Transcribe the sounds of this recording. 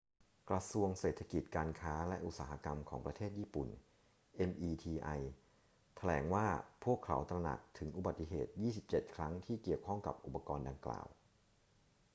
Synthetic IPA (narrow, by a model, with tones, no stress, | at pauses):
kɾa˧su˧əŋseː˨˩t̪ʰːa˧ki˨˩t̪̚kaː˧nkʰaː˦˥lɛ˦˥ʔu˨˩t̪̚saː˩˦ɦa˧ka˧mkʰɔː˩˦ŋpɾa˧t̪ʰeː˥˩t̪̚jiː˥˩pṵ˨˩n | ʔe˧mʔiː˧t̪ʰiː˧ʔa˧j | t̪ʰa˧lɛ̰ː˩˦ŋwaː˥˩pʰu˥˩əkʰːa̰˩˦wt̪ɾa˧na̰˨˩k̚t̪ʰɯ˩˦ŋʔu˨˧ba˨˩t̪ːi˨˩ɦḛː˨˩t̪̚jiː˥˩si˨˩p̚t͡ɕe˨˩t̪̚kʰɾa˦˥ŋt̪ʰiː˥˩ki˨˩əwkʰɔ˥˩ŋka̰˨˩p̚ʔu˨˩pːa˧kɔː˧nda˧ŋkla̰ː˨˩w